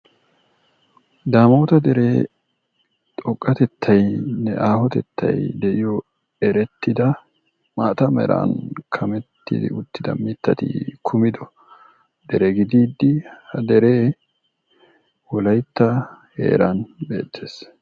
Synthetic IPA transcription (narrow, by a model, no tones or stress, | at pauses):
d̪aːmoːt̪ɐd̪ɛɾeː | t̪ʼɔkʼːɐt̪ɛt̪ʰːɐjnɛ̰ʔaːhɔt̪ɛt̪ːɐ̰jd̪ɛʔɪjɔ | ɛɾɛt̪ːɪd̪ɐ | maːt̪ɐmɛ̰ɾa̰ːnkʰɐmɛt̪ːɪ̰d̪ɪ̰ʊt̪ːɪd̪ɐ̰mɪt̪ːɐt̪ɪ̰kʰʊmɪd̪ɔ | d̪ɛɾɛɡɪd̪iːd̪ːɪhɐd̪ɛɾeː | wɔlɐjt̪ːɐhḛːɾɐnbe̞̰ːt̪ʰːeːs